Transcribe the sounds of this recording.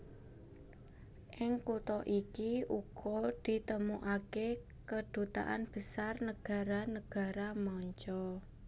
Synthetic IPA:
ʔɪŋkut̪ɔʔikiuɡ̥ɔd̪̥i̤t̪əmuʔake | kəɖ̪̥ṳt̪a̰ʔa̰nb̥əsarnəɡ̥a̤ɾanəɡ̥a̤ɾamɔɲt͡ʃɔ

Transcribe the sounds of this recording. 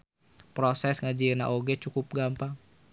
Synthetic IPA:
pɾosɛsŋad͡ʒiəna̰ʔoɡɛt͡ʃukup̚ɡampa

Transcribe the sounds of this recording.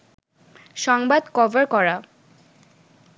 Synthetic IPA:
ʃɔŋbad̪kɔvaɾkɔɹa

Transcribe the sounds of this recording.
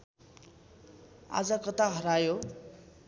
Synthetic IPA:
a̰d͡zʌkʌt̪aɦʌɾajo

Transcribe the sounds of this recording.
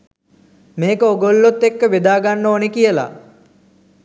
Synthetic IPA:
meːkəoɡolːot̪ːekːəʋed̪aːɡanːoːnekijəla̰

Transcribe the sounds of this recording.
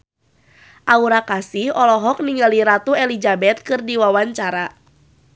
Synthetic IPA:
ʔauɾakasihɔlɔɦɔk̚niŋɡaliɾat̪uɛlid͡ʒabɛt̪̚kɨrdiwawaɲt͡ʃaɾa

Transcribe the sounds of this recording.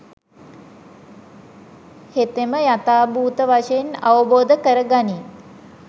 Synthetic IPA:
het̪eməjat̪aːbuːt̪əʋaʂəjena̰ʋəboːd̪əkəɾəɡani

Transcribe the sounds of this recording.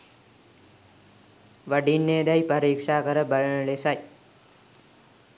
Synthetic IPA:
ʋɐɖinːeːd̪ɐjpɐɾiːkʂaːkɐɾɐbɐɻɐɳɐɭesɐj

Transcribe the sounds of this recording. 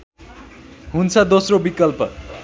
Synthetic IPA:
ɦunt͡sʰʌd̪osrobikʌlpʌ

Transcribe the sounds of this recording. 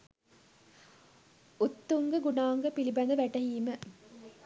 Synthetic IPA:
ut̪ːuŋɡəɡunaːŋɡəpilibɐnd̪əʋæʈɐɦiːmə

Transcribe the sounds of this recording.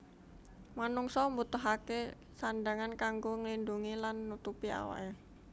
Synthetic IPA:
manuŋsɔmbut̪ʊɦake | sandaŋankaŋɡoŋəlinduŋilanːut̪upia̰wa̰ʔe

